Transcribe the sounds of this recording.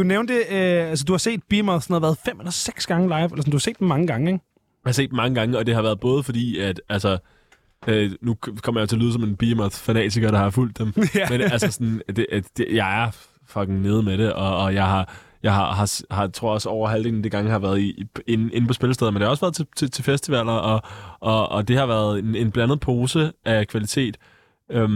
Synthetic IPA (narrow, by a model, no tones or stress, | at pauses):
d̥uneʊnd̥e̝øæls̬əd̥uhɑ̈se̝̰ːd̥̚b̥imæθsn̩hɑ̈ʋæːɐð̩ˠfem̰elɐseɡ̥sɡ̥ɑ̈ŋəlɑ̈ɪʋelɐsɔnd̥uhɑse̝̰ːd̥emɑ̈ŋəɡ̥ɑ̈ŋəeɡ | jhɑse̝̰ːd̥emɑ̈ŋəɡ̥ɑ̈ŋəɒ̽d̥e̝ɦɑ̈ʋæɐð̩ˠb̥ɔ̽ːð̞ˠfɒ̽d̥ḭːæd̥ælsɐ | ønukʰɒ̽mɐjɑt͡sʰe̝liːð̞ˠəsɒ̽me̝nb̥imæfænɛ̰ːt͡sʰiɡ̥ɐɾ̥ɑhɑjful̰d̥ːemmenælsəsɒnd̥eʔæ̥ejɑ̈ɪæɐ | fɒ̽ɡ̥ŋ̩ne̝ːð̞̩ˠmeɾe̝ʔɒ̽ːjɑ̈ɪɦɑ̈jɑ̈ɪhɑ̈ɦɑ̈shɑ̈t͡sʰʁo̝ɐ̰ɒ̽sɒʊɐɦæl̰d̥eŋnd̥eɡ̥ɑ̈ŋəhɑ̈ʋæːɐð̩ˠienen̩pʰɒ̽sb̥e̝lsdeðˠmend̥ehɒ̽sʋæːɐð̩ˠt͡sʰet͡sʰe̝t͡sʰe̝lfesd̥iʋɛl̰ɐɒ̽ʔɒ̽ɒd̥e̝hɑ̈ʋæːɐð̞̩ˠene̝nb̥lænð̞̩ˠpʰo̝ːsəʔækʰʋælit͡sʰe̝̰ːd̥ | øm